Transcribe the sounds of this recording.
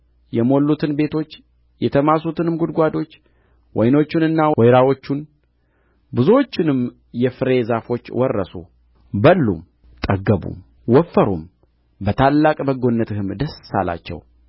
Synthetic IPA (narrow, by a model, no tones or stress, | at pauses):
jɛmo̞lːut̪ʰɨnbe̞t̪ʰo̞t͡ʃː | jɛt̪ʰəmasut̪ɨnɨmɡud̪ɡʷad̪o̞t͡ʃː | wʔɔjno̞t͡ʃːɪnɨnːawɔjɾawo̞t͡ʃːun | bɨzuwot͡ʃːɪnɨm | jɛfɨɾe̞zafo̞t͡ʃːwʔɔrːə̰sṵ | bəlːṵm | t̪ʼəɡəbṵm | wɔfːəɾṵm | bət̪ʰalːakʼbəɡo̞nːət̪ɨhɨmd̪əsːa̰la̰t͡ʃːɛ̰w